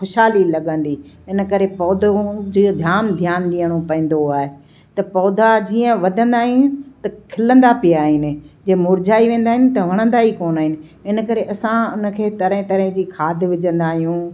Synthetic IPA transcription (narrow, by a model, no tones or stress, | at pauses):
xʊʃaːlilɐɠə̃nd̪iɪnə̆kɐɾepɔːd̪ʱod͡ʑd̪ʱjaːnd̪ʱjaːnɗiəɽ̃opɐ̃ĩːn̆d̪oaːɦe | t̪ɐpɔːd̪ʱad͡ʑĩːə̃ʋɐd̪ʱə̃nd̪aːɦɪnɪ̆t̪ɐkʰɪlə̃nd̪apɪjaːɦɪnɪ̆d͡ʑeːmʊɾd͡ʑaːiʋẽːn̆d̪aːɦɪnɪ̆t̪ɐʋ̤ɐɽ̃ə̃nd̪aɦikoːnaːɦɪnɪ̆ɪnəkɐɾeʔɐsãʊnə̆kʰeːt̪ɐɾəɪ̃t̪ɐɾəɦɪ̃d͡ʑiːkʰaːd̪ʱʋɪd͡ʑə̃nd̪aːɦijũː